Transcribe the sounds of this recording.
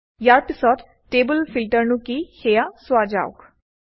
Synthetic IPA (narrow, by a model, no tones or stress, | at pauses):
jaːɾpɪsɔːd | ʈeːbəlfʰɪlʈəɾnũkihʰeːjasʊaːd͡ʒa̰ːʊ̰k